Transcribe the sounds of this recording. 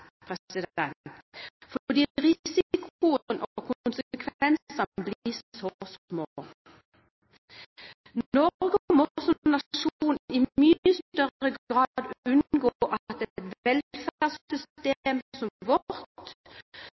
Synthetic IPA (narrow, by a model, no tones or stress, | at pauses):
pʰʁɛɪd̪ɛnfɔd̪iːʁɪsɪkʰʊənʔɔkʰʊʊnsəəkʰʋɛnssɑnəbliɔsmoː | nɔɡəmɔsɔnɑʂuːnɪmyːəst̪œʁəɡʁɑd̪ʉnɡoːʔɑt̪̚ɛt̪ʋɛlfæʁsʏst̪eːmsɔmʋɔɾt̪